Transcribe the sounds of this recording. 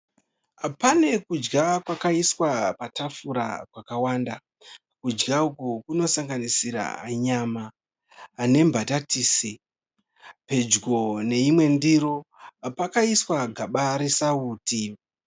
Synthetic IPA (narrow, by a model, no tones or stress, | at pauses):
pane̞kud͡ʒɡakwakaiswapatafuɾa̰kwakawanda | kud͡ʒɡaukukuno̞saŋɡanisiɾa̰ːɲamaː | ne̞mbʱatatiːsi | pe̞d͡ʒɡo̞ne̞imwe̞ndiɾo̞pakaiswaɡʱaɓaɾesauːti